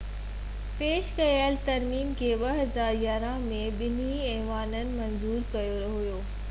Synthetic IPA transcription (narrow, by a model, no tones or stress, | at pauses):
peːʃkɐjalt̪ɐɾmiːmkʰeːɓɐɦɐzaːɾjaːɾãmẽɓɪniɛːʋaːnənɪ̆mɐ̃nzuːɾkɐjoɾɐɦoɦʊjoː